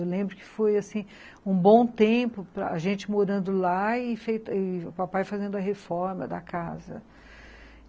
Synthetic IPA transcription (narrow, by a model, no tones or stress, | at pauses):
ewlẽmbɾʊkɪ̥fojasĩ | ũbõw̃t̪ẽpʊpɾɐ̰aʒẽnt͡ʃɪmoɾɐ̃nd̪ʊlaɪfejt̪ɪʊpapajfazẽnd̪ʊɐɦefɔɾmɐ̰d̪ɐkazɐ̰